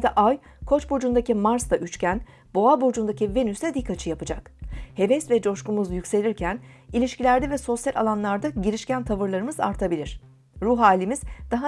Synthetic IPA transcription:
d̪ɛʔaj | kʰo̞t͡ʃbo̞d͡ʒund̪acimaɾst̪aʔyt͡ʃcæn | bo̞abo̞d͡ʒund̪acʰive̞nysɛd̪ikʰːat͡ʃʰɯjapɯd͡ʒakhe̞vɛsvɛd͡ʒo̞ʃkumuzjycʲse̞lʲiɾcʰænilʲiʃcilʲæɾd̪ɛvɛso̞sjalʲʔa̰lˠanlˠaɾd̪aɟiɾiʃcænt̪ʰavɯɾlˠaɾɯmɯza̰ɾt̪ʰabilʲiɾ̝̥ | ɾuɦaːlʲːimiz̥d̪̥aɦa

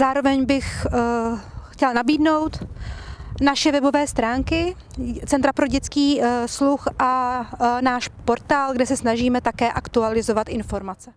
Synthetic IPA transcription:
zaːɾo̞vɛɲbɪx | xcɛlnabiːdno̞wt̪ | naʃɛvɛbo̞vɛːst̪ɾaːŋkɪ | t͡sɛnt̪ɾapɾo̞ɟɛt͡skiːsluxʔa | naːʃpo̞ɾt̪aːlɡdɛsɛsnaʒiːmɛt̪akɛːʔakt̪ualɪzo̞vat̪ɪnfo̞ɾmat͡sɛ

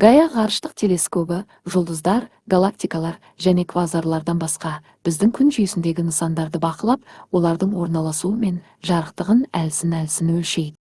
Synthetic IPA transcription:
ɡajaʁɑɾəʃt̪əq̚t̪ʰe̞le̞skʰɵbɪ | ʒʊlˠd̪əzd̪ɑɾ | ɡalˠak̚t̪ijkalˠɑɾ | ʒæne̞kʰvazaɾlˠɑɾd̪ɑnbɑsqɑ | b̥ɪzd̪ɪŋkʲʰʏnʒʏjɪsɪnd̪e̞ɡʲɪnəsɑnd̪ɑɾd̪əbɑqəlˠɑp̚wo̞lˠɑɾd̪əɴwo̞ɾnɑlˠɑsuəme̞n | ʒɑɾəqt̪əʁənælɪsɪnælɪsɪnwɵlʃe̞jd̪ɪ

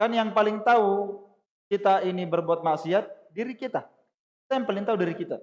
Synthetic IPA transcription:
kanjaŋpalɪŋt̪au | kit̪ainibərbuat̪̚maʔsiat̪̚diɾikit̪a | kit̪ajaŋpalɪŋt̪audiɾikit̪a

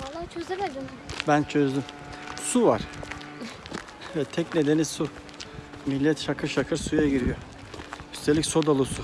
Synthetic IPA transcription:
at͡ʃʰøzebed̪ | bænt͡ʃʰø̞zd̪ym | suvaɾ̥ | vɛt̪ʰɛcne̞d̪e̞nisu | milʲːɛt̪ʃakʰɯʃakʰɯɾsujaɟiɾijo | yst̪ʰelʲicʲso̞d̪alˠusu

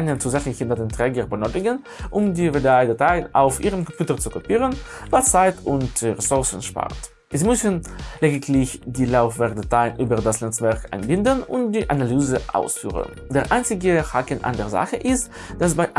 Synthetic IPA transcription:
nənt͡suzɛfn̩çɪntadentʁ̥ɛːɡəʁbənøːtɪɡən | ʔʊmdiːvedaɪdataɪna̰ʊfʔiːʁəmkʰɔ̃mpjuːtəʁt͡sukʰɔpiːʁənvat͡saɪtʰʊntʁɛsʊʁsn̩ʃpa̰ʁt | zimʏsənleːdɪkʰlɪçdiːlaʊfvɛʁtd̥ataɪnʔyːbədasnɛt͡svɛʁkʔa̰ɪnbɪndənʊ̰ntdiːʔanalyːzəʔa̰ʊsfy̰ːʁə̰n | deːʁʔaɪnt͡sɪɡəhakənʔa̰ndeːɐza̰χəʔɪst | d̥asbaɪʔ

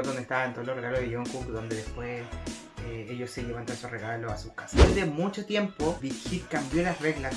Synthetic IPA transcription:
ðonest̪aβaent̪ooloreɣaloðeʝoŋkukd̪o̞nd̪eðe̞spwe̞s | eeʝo̞sːe̞ʝeβant̪ansosre̞ɣalosasukasaezðemut͡ʃo̞t̪je̞mpo̞bit̪xit̪kambjolasre̞ɣlas

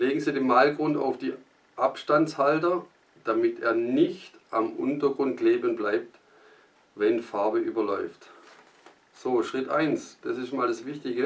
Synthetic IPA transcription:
leːɡŋ̩ziːdeːnmaɪlɡʁʊnta̰ʊfd̥iː | ʔapʃtant͡shaltɐ | d̥amɪtʰḛːɐnɪçtʔamʔʊ̰ntɐɡʁʊnt̚ɡ̥leːbənblaɪp̚t | vɛnfaɐbəʔyːbɐlɔʏft | z̥oːʃʁ̥ɪtʔaɪnsd̥asɪʃtmaːldasv̥ɪçtɪɡə

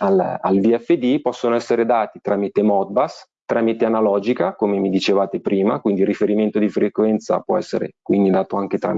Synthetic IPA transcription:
alalviɛfːed̪ipɔsːonoɛsːeɾed̪aːt̪it̪ɾaːmit̪emɔt̪̚bas | t̪ːɾaːmit̪eanalɔːd͡ʒikakomemid̪it͡ʃevaːt̪epɾiːmakwind̪irːifeɾiment̪od̪ifɾekwɛnt̪sa̰pwɔ̰ɛsːḛɾḛkwind̪id̪aːt̪oaŋk̟et̪ɾa̰m

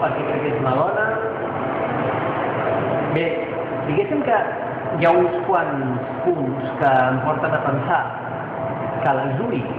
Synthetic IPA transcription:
pəɾkɛkɾɛkezunaðɔnə | be | d̪iɣesimkə | jaunskwanspunskəːmpɔɾt̪ənapənsa | kəlaʒui

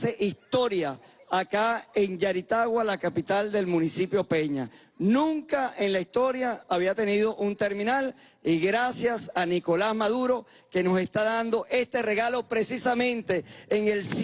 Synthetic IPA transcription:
e̞ʔist̪o̞ɾjaːkaeŋd͡ʒaɾit̪aɣwalakapit̪ald̪e̞lmũnisipjo̞pe̞ɲa̰ | nũŋkaʔenlaist̪o̞ɾjaːβiat̪e̞niðo̞ʔunt̪e̞ɾmĩnal | iɣɾasjasaniko̞lazmaðuɾo̞ | ke̞no̞se̞st̪aðand̪o̞ʔe̞st̪e̞re̞ɣalo̞pɾe̞sisamẽ̞nt̪e̞ːŋels

